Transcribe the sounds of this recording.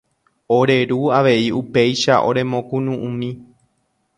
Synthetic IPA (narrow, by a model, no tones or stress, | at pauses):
oɾe̞ɾuaʋe̞iupe̞jʃaʔo̞̰ɾe̞mõkũnũʔũmĩ